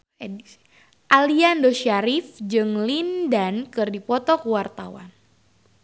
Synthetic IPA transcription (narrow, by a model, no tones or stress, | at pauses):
ei̥ | ʔaliandoʃaɾifd͡ʒɨŋlindankɨrdipɔt̪ɔkuwart̪awa̰n